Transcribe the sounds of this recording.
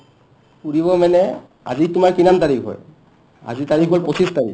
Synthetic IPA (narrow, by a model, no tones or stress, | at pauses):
kuɹiβɔmanɛ | a̰zitʊmaɹkinamtaɹikʰɦɔ̰j | a̰zitaɹikʰɦolposʰistaɹḭk